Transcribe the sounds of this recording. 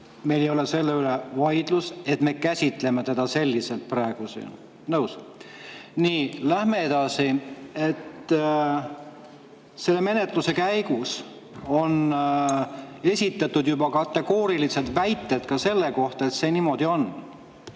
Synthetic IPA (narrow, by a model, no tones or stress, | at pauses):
me̞jlejo̞le̞se̞lːe̞ylevɑjd̪̥luse̞t̪ˑme̞ːkæsʲit̪ˑle̞met̪e̞d̪ɑse̞lʲːise̞lt̪̚prɾɑeɡ̥usḭ | nɤws | niːlæhme̞ed̪̥ɑsie̞t̪ː | se̞lːe̞me̞ne̞t̪ˑluse̞kæjɡ̥us | o̞n | e̞sʲit̪ːˑɑt̪ːud̪jubɑkɑt̪ːe̞ɡ̥o̞ːɾilised̪væjt̪ːˑe̞d̪kɑse̞lːe̞ko̞ht̪ɑet̪se̞ːniːmo̞d̪̥io̞n